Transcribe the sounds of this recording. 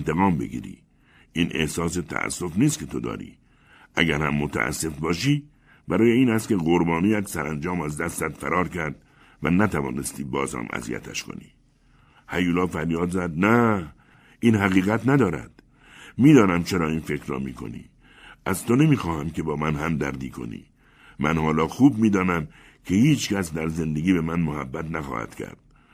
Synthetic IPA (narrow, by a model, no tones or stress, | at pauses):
nt̪eɣɒːmbeɡḭːɾḭː | ʔiːnʔḛhsɒːs̬e̞t̪ʰæ̰ʔæ̰sːo̞fniːst̪kʲʰe̞t̪ʰod̪ɒ̰ːɾḭː | ʔæɡæɾhæmːot̪ʰæ̰ʔæ̰sːe̞fbɒːʃiː | bæɾɒːjeiːnæst̪̚kʲe̞ɣoɾbɒːniːjæt̪sæɾænd͡ʒɒːmæzd̪æst̪ːzæd̪fæ̰ɾɒːɾkʰæɾd̪ | væ̰næt̪ʰævɒ̰ːnest̪iːbɒːzhæ̰mʔæ̰zḭjæ̰t̪ʰæ̰ʃkʰo̞̰nḭː | hæjuːlɒːfæɾjɒːd̪zæd̪næ | ʔiːnɦæɣiːɣæt̪næd̪ɒːɾæ̰d̪̥ | miːd̪ɒːnæmt͡ʃʰe̞ɾɒːiːnfe̞kɾrɒ̰ːmiːkʰo̰nḭː | ʔæz̥t̪ʰone̞miːxɒːhæmkʰe̞bɒːmænɦæmd̪æɾd̪iːkʰo̞̰nḭː | mʔænhɒːlɒːxuːb̚miːd̪ɒːnæm | kʲʰe̞hiːt͡ʃcæsd̪æɾze̞nd̪e̞ɡiːbemænmohæbːæt̪næxɒ̰ːhæ̰d̪̥cʰæ̰ɾd̪̥̚